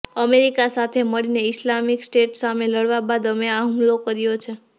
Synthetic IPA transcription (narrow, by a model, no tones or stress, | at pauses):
əmeɾikasat̪ʰeməɭineislamiksʈeʈsameləɽʋabad̪əmeaɦũmlokəɾijot͡ʃʰe